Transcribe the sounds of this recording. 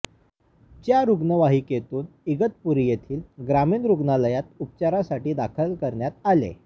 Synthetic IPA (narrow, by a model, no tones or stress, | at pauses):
t͡ɕjaɾuɡnəʋaɦiːket̪uːn | iɡət̪̚puɾijet̪ʰiːlɡɾamiːnɾuɡnaləjat̪̚up̚t͡ɕaɾasaʈiːd̪akʰəlkəɾɳjat̪̚alḛ